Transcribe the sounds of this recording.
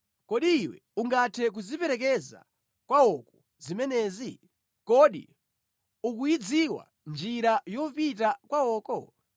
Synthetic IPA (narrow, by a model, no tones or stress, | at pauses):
kɔɗiːwɛ̰ | uŋɡatʰɛk̬uzipɛɾɛk̬ɛza̰ | kwaɔk̚ɔ̥ | zimɛnɛːzi | kɔɗḭ | ukujid͡ziwa̰ | nd͡ʒiɾajɔpit̬akwaɔːkɔ